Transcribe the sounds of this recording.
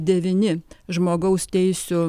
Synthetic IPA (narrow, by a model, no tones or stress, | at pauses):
d̪ʲɛʋʲɪnʲɪʒmoːɡɐʊst̪ʲɛɪsʲʊ